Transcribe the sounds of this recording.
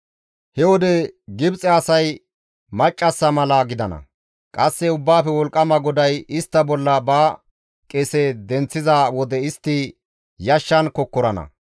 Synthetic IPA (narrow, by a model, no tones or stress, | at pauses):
hɛwɔd̪ɛɡɪbt͡sʼɛɐsɐj | mɐt͡ʃʼːɐsːɐmɐlɐɡɪd̪ɐnɐ̰ | kʼɐsːɛʊbːaːfɛwɔlkʼːɐmɐɡɔd̪ɐjɪst̪ːɐbɔlːɐba | kʼɛsɛd̪ɛnt͡sːɪzawɔd̪ɛɪst̪ːi | jɐʃːɐnkɔkːɔɾɐnɐ̰